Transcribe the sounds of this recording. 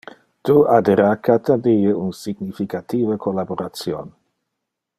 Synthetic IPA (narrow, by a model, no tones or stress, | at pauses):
t̪uad̪eɾakat̪ad̪iəunsiɡnifikat̪iːvəkʰolaboɾat̪t͡sjon